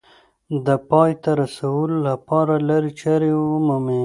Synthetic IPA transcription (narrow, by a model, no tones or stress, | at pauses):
d̪əpɑjt̪aɾasawəlolapɑɾalaɾit͡ʃaɾemami